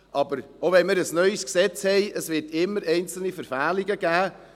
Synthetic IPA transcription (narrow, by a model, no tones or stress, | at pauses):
ʔɑbəɾ | ovɛnmɪɾəsnœʏsksɛt͡shɛɪəsvɪɾtɪmːəɾɛɪnt͡sl̩nifəɾfæːliɡəɡæː